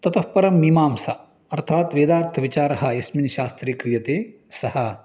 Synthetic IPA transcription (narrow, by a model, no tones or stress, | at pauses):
t̪ɐt̪ɐhpɐɾɐmːimaːmsɐ | ɐɾt̪ʰaːt̪ʋeːd̪aːɾt̪ʰɐʋit͡ʃaːɾɐɦɐesminʃaːst̪ɾeːkɾijɐt̪eːsɐhɐ